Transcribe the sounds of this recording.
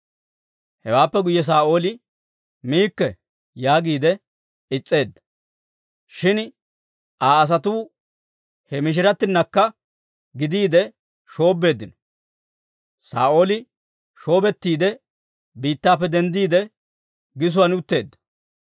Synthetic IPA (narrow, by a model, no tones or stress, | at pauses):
hɛwaːpːɛɡʊjːɛs̬aːo̞ːlɪ | miːkːɛ | jaːɡiːd̪ɛ | ɪt͡sʼːe̞ːd̪ːɐ̥ | ʃɪn | ʔaːɐs̬ɐt̪uː | hɛmɪʃ̬ɪɾɐt̪ːɪnːɐkːɐ | ɡɪd̪iːd̪ɛ | ʃo̞ːbːe̞ːd̪ːɪnɔ̥ | sa̰ːo̞ːlɪ | ʃo̞ːbɛt̪ːiːd̪ɛ | biːt̪ːaːpːɛd̪ɛnd̪iːd̪ɛ | ɡɪs̬ʊwɐnʊt̪ːe̞ːd̪ːɐ̥